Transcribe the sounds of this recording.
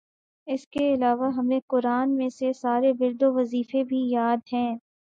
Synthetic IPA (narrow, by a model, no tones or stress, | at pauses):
ɪskeɪlaːʋaɦɐmẽkʊɾaːnmẽsesaːɾebɪɾd̪oʋɐziːfebʱijaːd̪ɦɛ̃ː